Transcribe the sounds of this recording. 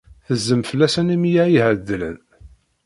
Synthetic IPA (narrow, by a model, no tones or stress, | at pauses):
θəzːəmfəlːæsənimjæjiʕəd̪ːələ̰n